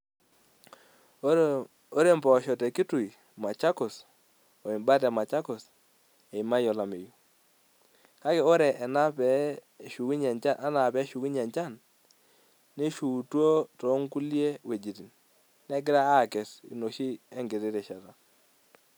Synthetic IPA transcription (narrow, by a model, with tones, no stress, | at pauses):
o˦ɾe˦˨mbɔ˨ʃɔ˨tɛ˨ki˦tu˨i˨ | ma˨t͡ʃa˦kʊ˨s | o˨i˨mba˦tɛ˨ma˨t͡ʃa˦kʊ˨s | e˨i˨ma˦jɔ˨la˨me˨ju˨ | ka˦ke˨o˦ɾɛ˨na˦pɛ˨˦ | ʃu˨ki˦ɲɛ˨ɲt͡ʃa˦nʔa˦na˨pɛ˦ʃu˨ki˦ɲɛ˨ɲt͡ʃa˦˨n | e˦ʃu˨two˦to˨˦ŋku˦lje˦we˨d͡ʒi˨ti˨n | nɛ˦k̬ɪ˦ɾa˦a˦˨kɛ˨sḭ˨no˨ʃi˦ɛ˦ŋɡe˨ɾe˦ɾe˨ʃa˨ta˨